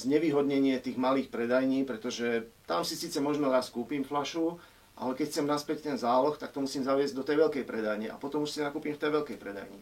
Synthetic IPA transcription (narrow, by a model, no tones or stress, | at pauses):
zɲɛʋiːɦɔd̪ɲɛɲɪɛt̪iːɣmaliːxpɾɛd̪ajɲiːpɾɛt̪ɔʒɛt̪amsisiːt͡sɛmɔʒmɛɾaːskuːpiːmflaʃu | ʔa̰lɛkɛcxt͡sɛmnaspɛct̪ɛnzaːlɔxt̪akt̪ɔmusiːmzaʊɛzɟ̚ʲd̪ɔt̪ɛjʋɛlkɛjpɾɛd̪ajɲɛʔa̰pɔt̪ɔmuʃsinakuːpiːmft̪ɛjʋɛlkɛjpɾɛd̪a̰jɲḭ